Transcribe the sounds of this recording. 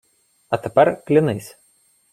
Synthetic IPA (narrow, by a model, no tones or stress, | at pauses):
ɐt̪ɐpʲɐɾklʲɪnɐɪsʲ